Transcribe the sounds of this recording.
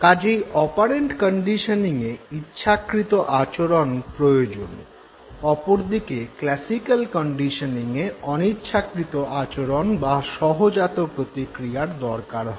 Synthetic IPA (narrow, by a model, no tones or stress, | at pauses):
kad͡ʑiɔpaɾeɳʈkəɳɖiʃoniŋeitːʃʰakɾit̪oʔat͡ɕoɾonpɾojod͡ʑo̰n | ɔpoɾd̪ikeklɛsikalkɔɳɖiʃoniŋeɔnitːʃʰakɾit̪oʔat͡ɕoɾonbaʃɔɦod͡ʑat̪opɾot̪ikɾijaɾd̪ɔɾkaɾɦɔ